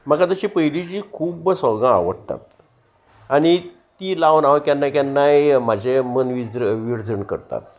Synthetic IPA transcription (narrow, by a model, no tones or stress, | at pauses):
m̤akad͡zəɕipəɦilid͡ʑiːkʰuːbsəɡãa̰ʋəɽt̪a̰t̪ | ani | t̪iːlaʋnaʋkjanːakanːajm̤ad͡ʑʱemənʋid͡zɾʋiɾd͡zəɳkə̰ɾt̪a̰t̪̚